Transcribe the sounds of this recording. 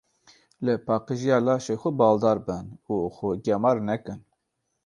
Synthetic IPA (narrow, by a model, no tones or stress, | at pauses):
ləpɑːqəʒijɑːlɑːʃexʷʊbɑːld̪ɑːɾbɨnuxʊɡʲɛmɑɾnɛkɨn